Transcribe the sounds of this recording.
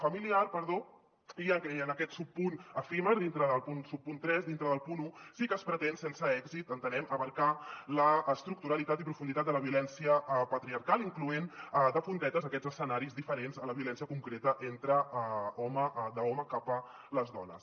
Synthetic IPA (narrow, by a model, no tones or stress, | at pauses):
fəmiliaɾpəɾðo | iəənəkɛt̪supːunəfiməɾðint̪ɾəðəlˠpunsupːunt̪ɾɛzd̪int̪ɾəðəlˠpunusikəːspɾət̪ɛnsɛnsəɛɡzit̪ənt̪ənɛməβəɾkaləːst̪ɾuk̚t̪uɾəlit̪at̪ipɾufund̪it̪at̪̚d̪ələβiulɛnsiəpət̪ɾiəɾkalˠiŋkluend̪əpunt̪ɛt̪əzəkɛzəsənaɾizðifəɾenzələβiulɛnsiəkuŋkɾet̪əʔent̪ɾəɔməʔðəɔməkapə | ləzðɔ̰nə̰s